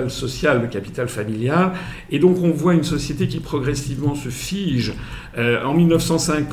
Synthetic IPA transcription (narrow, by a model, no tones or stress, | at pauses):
lsɔsjald̪əkapi̥t̪alfamiljal | ed̪ɔ̃kɔ̃vwaynsɔsjet̪ekʲipχɔɡʁɛsivmɑ̃səfiʒ | øɑ̃milnəfsɑ̃sɛ̃k